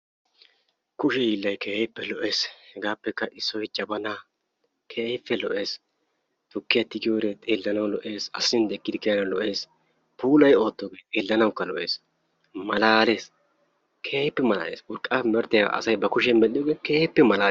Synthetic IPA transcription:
kʊʃɛjiːlːɐjkʰeːjɪpːɛlɔʔe̞ːshɛɡaːpːɛkːɐʔɪsːɔjt͡ʃʼɐbɐnaː | kʰejfːɛlɔʔe̞ːs | t̪ʊkːɪjɐt̪ːɪɡɪjoːɾeːt̪ʼeːlːɐnɐwlɔʔe̞ːsɐ̰sːɪnd̪ɛkːɪd̪ɪkːɪjɐnɐlɔʔe̞ːs | puːlɐjo̞ːt̪ːoːɡe̞ːt̪ʼe̞ːlːɐnɐwʊkːɐlɔʔe̞ːs | mɐlaːle̞ːs | kʰeːpːɛmɐla̰ːḛːswʊɾkʼːaːɛmɛɾt̪ːɪja̰ʔɐ̰sɐjbɐkʊʃ̬ɛmɛlɪjɔːɡeːkeːpːɛmɐlaː

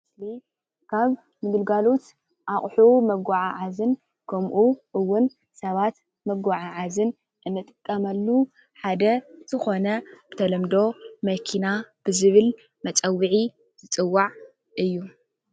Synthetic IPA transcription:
sli | kʰaβ | mɨɡɨlɡalot̪ | ʔaχʼħumɐɡaʕaʕazɨn | kʰɐmʔuʔɨwːʊn | sɐβat̪ | mɐɡʷaʕaʕazɨn | ʔɨnːɨt̪ʼɨ̥kʼːɐmɐlːu | ħad̪ɐz̥ɨxo̞nɐbɨt̪ʰɐlɐmd̪o̞mɐkʰinab̥ɨzɨβɨl | mɐt͡sʼɐwːɨʕi | z̥ɨt͡sʼɨwːaʕ | ʔɨjːu

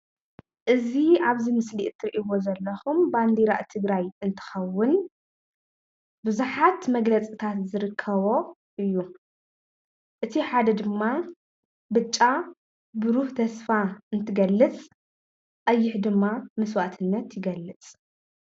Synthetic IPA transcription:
ʔɨziaβzimɨsliʔt̪ʰːɨɾiʔiwo̞zɐlːɐxumband̪iɾa̰ʔt̪ʰɨɡɾajɨnt̪ʰɨ̥xɐwːʊn | bɨzuħat̪mɐɡlɐt͡sʼit̪ʰat̪zɨɾɨkʰːɐβo̞ | ʔɨjːu | ʔɨt̪ʰiħad̪ɐd̪ɨmːa | bɨt͡ʃʼːa | bɨɾuht̪ʰɐsfaɨnt̪ʰɨɡɐlːɨt͡sʼ | ʔʼɐjːɪħd̪ɨmːamɐswat̪ʰɨnːɐt̪jɪɡɐlːɨt͡sʼ

